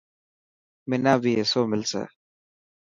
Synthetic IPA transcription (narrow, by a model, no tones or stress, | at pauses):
mɪnaːbiesoːmɪlsḛ